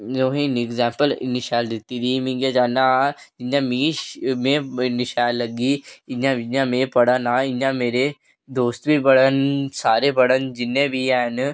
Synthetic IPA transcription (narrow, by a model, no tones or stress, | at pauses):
oːɦĩnɪɡzãːmpəl̰nɪʃaːld̪et̪iɾimĩːɡad͡ʒaːnad͡ʒɪnjãmĩmẽnɪʃaːlɐɡiɪnãɪnjãmẽpɐɽanaɪnjãmeːɾe | d̪oːst̪bʱibɐɽənsaːɾebɐɽənd͡ʒɪnːẽbʱiɛːn